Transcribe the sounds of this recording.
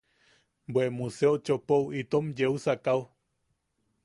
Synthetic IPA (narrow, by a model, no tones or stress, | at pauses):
bwemuseot͡ʃopowit̪omd͡ʒeusakaw